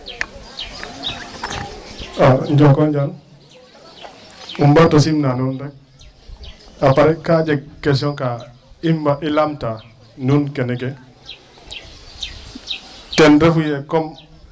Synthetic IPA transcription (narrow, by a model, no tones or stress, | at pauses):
aɲd͡ʒɔkɔɲd͡ʒan | umbatosimnanundɛk̚ | apaɾɛkad͡ʒek̚ːɛs̬ɔŋka | imbaʔilamta | nunkenɛkɛ | tɛnɾefujɛkɔm